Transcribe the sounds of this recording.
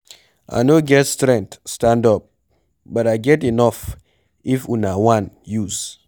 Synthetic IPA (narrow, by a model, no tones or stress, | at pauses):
ʔa̰noɡɛtstɾɛ̃ŋk̚tstãndɔp̚ | bɔtaɪɡɛtinɔf | ifunawãnjuz